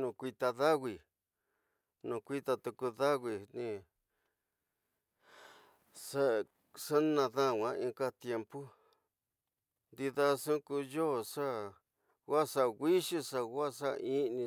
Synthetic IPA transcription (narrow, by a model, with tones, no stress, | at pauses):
nũ˧kʷi˧t̪a˧ða˦ɣi˨ | nũ˨kʷi˦t̪a˧t̪u˧ku˧ða˦ɣi˧nĩ˧ | sa˦˨ | sa˦nã˧ðã˦˨wʷã˧ĩ˧ka˦t̪je˧mpu˦ | nd̪i˧ða˧sũ˦ku˧jo˦˨ʂa˦ | ɣa˦˨sa˧ɣi˦ʂi˦ʂa˧ɣa˦sa˦˧ĩ˦˧nĩ˧